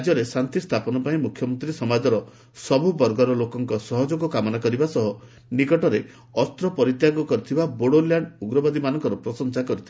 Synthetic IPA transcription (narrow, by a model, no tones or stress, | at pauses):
d͡ʒjɔɾesant̪ist̪ʰapɔnɔpaĩmukʰjɔmɔnt̪ɾisɔmad͡ʒɔɾɔ | sɔbubɔɾɡɔɾɔlokɔŋkɔsɔɦɔd͡ʒoɡɔkamɔnakɔɾibasɔɦɔ | nikɔʈɔɾe | ɔst̪ɾɔpɔɾit̪jaɡɔkɔɾit̪ʰibaboɽoljaɳɖuɡɾɔbad̪imanɔŋkɔɾɔpɾɔsɔnsakɔɾit̪ʰib